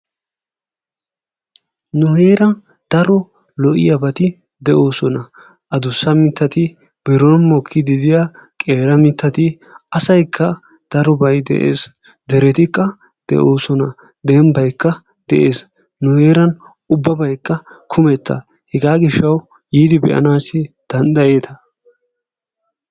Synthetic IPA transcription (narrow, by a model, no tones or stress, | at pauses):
nʊheːɾɐn | d̪̥ɐɾɔ | lɔʔɪ̰jɐbɐt̪ɪ | d̪ɛʔo̞ːsɔnɐ | ʔɐd̪ʊsːɐmɪt̪ːɐt̪ɪ | bɛɾɔnmɔkʰːɪd̪ɪd̪ɪjakʼeːɾɐmɪt̪ːɐt̪ɪ | ɐsɐjkʰːɐ | d̪̥ɐɾɔbɐjd̪ɛ̰ʔḛːs | d̪ɛɾɛt̪ɪkːɐ | d̪̥ɛ̰ʔo̞ːsɔnɐ | d̪ɛmbɐjkːɐ | d̪̥ɛ̰ʔeːs | nʊheːɾɐn | ʊbːɐbɐjkːɐkʰʊmɛt̪ːɐ̰ | hɛɡaːɡɪʃːɐw | jiːd̪ɪbɛ̰ʔɐ̰naːsɪ | d̪̥ɐnd̪ɐje̞ːt̪ʰɐ